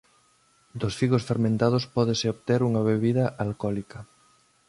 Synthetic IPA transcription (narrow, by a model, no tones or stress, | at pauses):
d̪osfiɣosfeɾmẽnt̪að̞ospɔðesɪoβt̪eɾuŋɐβeβiðɐʔalkɔlikɐ